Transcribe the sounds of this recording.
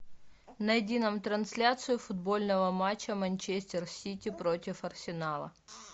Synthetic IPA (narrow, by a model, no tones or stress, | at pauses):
nɐjɪdʲinəmt̪ɾɐnsʲlʲat̪sɨjʊfʊd̪bo̞lʲnəvəmat͡ɕːəmɐnʲt͡ɕesʲt̪ʲɪrsʲitʲɪpɾotʲɪfɐrsʲɪnalˠə̰